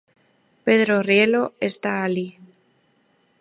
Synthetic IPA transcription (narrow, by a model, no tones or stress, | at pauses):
peðɾorjeloest̪aːli